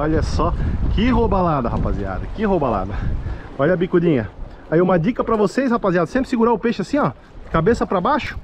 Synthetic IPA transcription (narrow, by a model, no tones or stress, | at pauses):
oʎɐsɔkɪɦobalad̪ɐɦapazia̰d̪ɐkɪɦobala̰d̪ɐɔʎɐbikud̪ĩɲɐ | aiũmɐd͡ʒikɐpɾɐvosejshapaziad̪ʊsẽmpɾɪ̥siɡuɾaʊpeʃɪasĩɔ | kabesɐpɾɐbaʃʊ̥